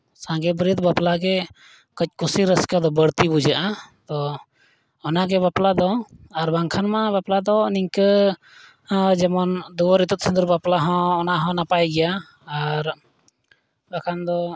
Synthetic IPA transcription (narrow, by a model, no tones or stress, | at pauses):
sãŋɡɛbɾit̪baplaɡɛ | kəc̚ˀkusiɾəskad̪ɔbəɾt̪ibud͡ʒaʔat̪ɔː | naɡɛbaplad̪ɔaɾbaŋkʰanmabaplad̪ɔniŋkə | d͡ʒɛmɔnd̪uwɔɾit̪ut̪̚sind̪uɾbaplaɦɔ̃ːnaɦɔ̃napajɡɛjaː | ɾ | bakʰand̪ɔ